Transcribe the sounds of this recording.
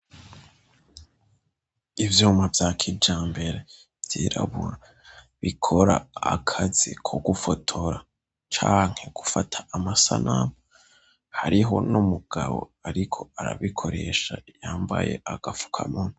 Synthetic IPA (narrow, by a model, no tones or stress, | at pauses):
ivjuːmavjaːkʰid͡ʒaːmbe̞ɾe | vjiːɾa̰βuɾa | βikʰo̞ɾaːkʰazikʰoɡufotʰo̞ɾa | t͡ʃaːŋ̥he̞ɡ̥ufatʰḁamasanʔam | haɾiɦo̞numuɡ̥aβo̞̰aɾikʰo̞aɾa̰βikʰo̞ɾe̞ʃajaːmba̰je̞̰ʔaɡ̥afu̥kʰa̰mun̥